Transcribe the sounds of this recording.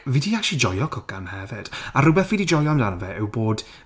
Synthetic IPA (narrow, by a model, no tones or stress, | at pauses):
vidiakʃid͡ʒɔjɔkʰɔkanhɛvɛd̥aɾʊbɛθvidid͡ʒɔjɔmdanɔvɛʔɪwboːd̥